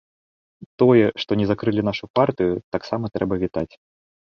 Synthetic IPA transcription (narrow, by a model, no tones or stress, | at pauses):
t̪ɔjɛʂt̪ɔnʲɛzakɾɨlʲin̪aʂupart̪ɨjut̪aksamɐt̪ɾɛbɐvʲit̪at͡sʲ